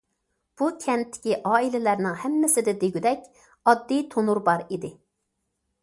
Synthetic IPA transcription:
b̥ukʲʰɛnt̪ʰːɪ̥kʲiʔɑːilɪlæɾnɪŋhɛmːɪsɪd̪ɛd̪eɡʲyd̪ɛkʲ | ɑd̪ːijt̪ʰonuɾbɑɾid̪ɪ

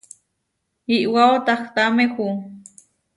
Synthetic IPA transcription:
iʔwaot̪ɑxt̪amexu

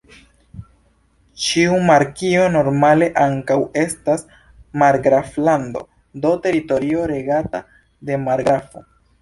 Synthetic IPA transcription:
t͡ʃiumaɾkio̞no̞ɾmale̞ʔaŋkawe̞stas | maɾɡɾaflando̞̰ | do̞te̞ɾito̞ɾio̞ɾe̞ɡata | de̞maɾɡɾafo̰

